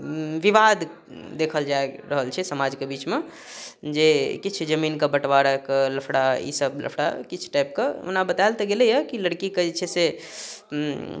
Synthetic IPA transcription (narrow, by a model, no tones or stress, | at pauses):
ʋiʋad̪ | d̪ekʰəld͡ʒaeɾəɦəlt͡ʃʰɛsəmad͡ʒkebit͡ʃme | d͡ʒekit͡ʃʰd͡ʒəminkebəʈʋaɾəkləpʰɽaḭsəblə̰pʰɽa̰kit͡ʃʰʈajp̚keṵnabət̪aelt̪eɡelɛjəkiləɽkikət͡ʃʰɛse